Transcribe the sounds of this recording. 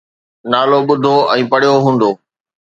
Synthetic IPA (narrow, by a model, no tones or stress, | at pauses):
naːloɓʊd̪ʱoʔɛ̃ːpɐɽ̤ijoɦũːnd̪oː